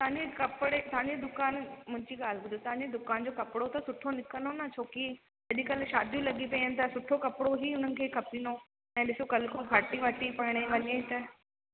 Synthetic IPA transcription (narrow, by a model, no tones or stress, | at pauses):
t̪ʰãːɲd͡ʑekɐpɪɽet̪ʰãːɲd͡ʑed̪ʊkaːnmʊ̃ɦɪ̃ɲd͡ʑiɠaːl̤bʊd̪ut̪ɐʋãːɲd͡ʑed̪ʊkaːnd͡ʑoːkɐpɪɽot̪ɐsʊʈʰonɪkənonɐt͡ɕʰoːki | ɐɗĩkɐlʃaːd̪ʱjũlɐɠipɐiənɪ̃̆t̪ʰɐsʊʈʰokɐpɪɽoɦiːʊn̤ənɪ̆kʰeːkʰɐpino | ɛ̃ːɗɪsokɐlkʰoɡʱɐʈiʋɐʈipɐɦɪɽ̃eʋɐɲẽt̪ɐ